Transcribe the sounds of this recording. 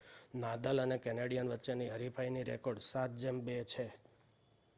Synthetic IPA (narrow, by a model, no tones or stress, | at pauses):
nad̪ələnekɛneɽijənʋətːʃeniɦəɾipʰainiɾḛkoɖsat̪̚ʰd͡ʒembet͡ʃʰe